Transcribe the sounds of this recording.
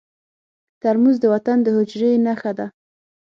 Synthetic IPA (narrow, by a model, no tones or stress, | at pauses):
t̪aɾmuzd̪əwat̪and̪əhʊd͡ʒɾenaxad̪a